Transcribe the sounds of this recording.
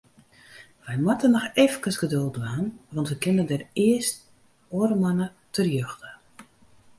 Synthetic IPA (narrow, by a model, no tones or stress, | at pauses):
ʋɛjmatənɔxefkəsɡədølˠtʋaːnʋɑntʋəkɪnəndɛrɪəst | oəɾəmanə | tʰərjøxtə